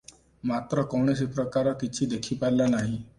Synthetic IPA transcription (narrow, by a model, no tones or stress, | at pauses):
mat̪ɾɔkɔɽ̃es̬epɾɔkaɾɔkit͡ʃʰid̪ekʰipajlanaɦĩ